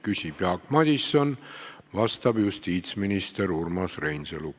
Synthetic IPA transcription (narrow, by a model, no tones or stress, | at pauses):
kysʲib̥jɑkmɑd̪̥ʲisːon | vɑst̪ɑb̥just̪iːt̪sminist̪e̞ɾurmɑsrejnseluk